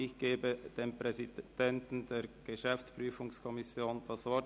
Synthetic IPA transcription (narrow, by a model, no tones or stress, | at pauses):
ɪçɡ̥eːbəd̥eːnpʁ̥ɛzid̥ɛntn̩deːɐɡ̥əʃɛft͡spʁ̥yːfʊŋskʰɔmɪsjoːnd̥ɑsvɔ